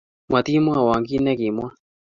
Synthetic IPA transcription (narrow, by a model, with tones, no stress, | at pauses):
mwa˨t̪i˦mwa˦˨wa˨ŋɡi˦nɛ˦kɪ˨mwa˦